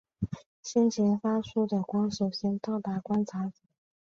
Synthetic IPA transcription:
ɕi˥nt͡ɕʰɛ˧˥nfa˥ʈ͡ʂʰu˥d̪ə˨kwɑ˥ŋʂo˨˩ʊɕɛ˥nt̪ɑ˥˩ʊt̪a˧˥kwa˥nʈ͡ʂʰa˧˥t͡s̩˨˩˦

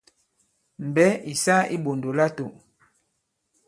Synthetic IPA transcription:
m̩˨bɛ˦i˨sa˦i˦ɓo˨ndo˨la˦to˨

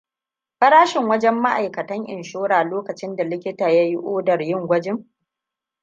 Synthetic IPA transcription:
ɸɐ˦ɽaː˦ʃɪ˨ŋwɐ˦d͡ʒɛ˦mːa˦ʔa˨jkɐ˨tɐ˦ŋʔɪ̰˨nʃoː˦ɽaː˨loː˦kɐ˨t͡ʃɪ˦nda˨lɪ˦kʲɪ˦taː˨ja˦ji˦ʔoː˦dɐ˨rjɪ˦˨ŋɡʷɐ˦d͡ʒɪ˦ŋ

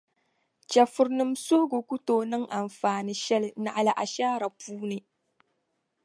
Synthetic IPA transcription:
t͡ʃɐ˨fʊ˦ɾnɨ˦mso˦ɡʊ˨kʷʊ˦toː˨nɪ˦ŋʔa˨mfaː˨ni˦ʃɛ˦lna˨ʔa˨la˨ʔa̰˨ʃaː˦ɾa˨puː˦ne˦

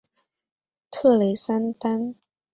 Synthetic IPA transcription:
t̪ʰɤ˥˧˩le˨˦jsa˥nt̪a˦˥n

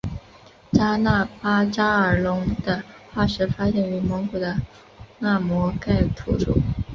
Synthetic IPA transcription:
t͡ɕa˥na˥˩pa˥t͡ɕa˥ə˞˨˩lʊ˧˥ŋd̪ə˧xwa˥˩ʂɻ̩˧˥fa˥ɕjɛ˥˩ny˧˥mɤ˧˥ŋku˨˩d̪ə˦ | na˥˩mwɔ˧˥ka˥˩ɪt̪ʰṵ˧˥ʈ͡ʂṵ˨˩˦

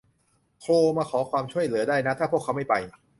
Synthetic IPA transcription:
kʰoː˧maː˧kʰɔː˩˦kʰwaː˧mt͡ɕʰu˥˩əjlɯ˩˦daː˥˩jna˦˥t̪ʰaː˥˩pʰu˥˩əkʰːa˦˥wma˥˩jpa˧j

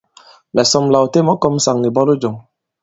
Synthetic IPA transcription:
lɛ˨sɔ˧m̩˦la˨wo˨t̪e˦mɔ˨˦kɔ˧m̩˦sa˨ŋni˨bɔ˦lo˦d͡ʒɔ˨ŋ

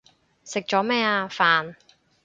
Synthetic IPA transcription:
sɪ˨k̚t͡ʃɔː˨˥mɛː˥aː˧faː˨˧n

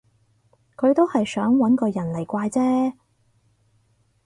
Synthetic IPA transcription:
kʰɵ˨˧ɥt̪o˥whɐ˨jsœː˨˥ŋwɐ˨˥nkɔː˧jɐ˨˩nle˨˩jkʷaː˧jt͡sɛː˥

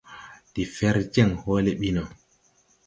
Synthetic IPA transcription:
di˨fɛ˦ɾd͡ʒɛ˦ŋhoːlɛɓinɔ˨

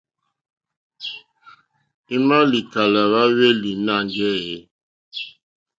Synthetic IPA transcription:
i˦ma˦li˨ka˨la˨βa˦we˦li˨na˦˨ŋɡɛ˦je˨˦

